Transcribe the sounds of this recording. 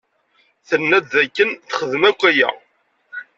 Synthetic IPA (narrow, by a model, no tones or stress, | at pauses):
θənːæd̪ðækːənθə̥χəðəmækʷːæjæ̰